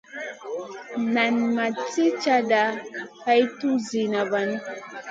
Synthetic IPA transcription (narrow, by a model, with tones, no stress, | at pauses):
na˨nma˨t͡si˦t͡ʃa˦da˨ha˦jtu˦zi˨na˨ba˨n˦